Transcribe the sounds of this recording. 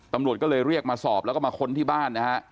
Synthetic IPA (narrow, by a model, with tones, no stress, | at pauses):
t̪a˧mɾu˨˩ət̪̚kɔː˥˩lɤː˧jɾi˥˩ək̚maː˧sɔː˨˩p̚lɛ˦˥wkɔː˥˩maː˧kʰo˧nt̪ʰiː˥˩baː˥˩nːa˦˥ha˦˥ʔ